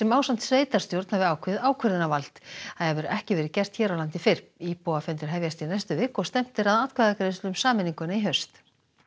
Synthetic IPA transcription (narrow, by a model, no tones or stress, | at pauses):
sɛmaːwsan̥t̪sveːjt̪aɾ̥st̪jowɾt̪nhavɪawaːwkʰœɾðɪnaval̥t̪aðhɛvɪɾʏʔɛhcɪvɛːɾɪcɛr̥t̪çɛːɾawlant̪ɪfɪɾ̥iːpowafɛnt̪ɪɾ̥ɦɛvjast̪inɛjst̪ʏvɪkɔɣst̪ɛm̥t̪ɪɾaðat̪kʰvaðɛkɾest̪lʏmsaːmɪniŋkʏnaiɦœɥst̪